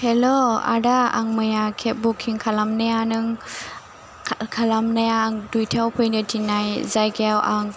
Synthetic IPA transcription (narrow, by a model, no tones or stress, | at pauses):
heloa̰daa̰ŋmɯjakʰep̚bukʰːiŋkʰalamnajanɯŋ | kʰalamnajaŋdujtʰawpʰɯjnɯtʰinajzajɡawʔaŋ